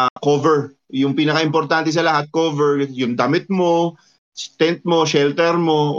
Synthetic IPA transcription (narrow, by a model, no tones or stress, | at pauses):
kovɛɹ | jʊŋpiːnɐkɐʔɪmpoɾt̪ant̪ɛs̬ɐlɐhat̪̚koːvɛɹjʊŋd̪ɐmɪt̪̚mo̞ | st̪ɛnt̪̚mo̞ʃɛlt̪ɛɾmo̞